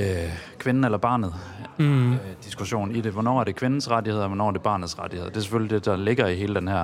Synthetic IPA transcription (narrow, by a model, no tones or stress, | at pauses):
kʰʋenn̩elɐb̥ɑ̈ːnð̩ˠ | d̥isɡ̥uɕo̝̰ːnid̥e̝ʋɒnɒ̰ːæɐɾ̥e̝kʰʋe̝nn̩sʁɑ̈dihe̝ð̰ˠɒʋɒnɒ̰ːɐde̝b̥ɑ̈ːnðˠsʁɑd̥i̥heð̰ˠd̥e̝ɐse̥følid̥e̝d̥ɑ̈le̝ɡ̥ɐiɦe̝ːləd̥enhæɐ̰